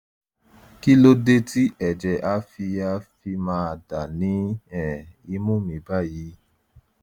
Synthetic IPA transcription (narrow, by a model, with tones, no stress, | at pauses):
ki˦lo˦de˧ti˦ʔɛ˨d͡ʒɛ˨ʔa˦fi˧a˧fi˧mãː˧˦a˧da˨nĩ˨˦ɛ̃˦˨i˧˦mũ˦˨mĩ˨˦ba˦˨ji˧˦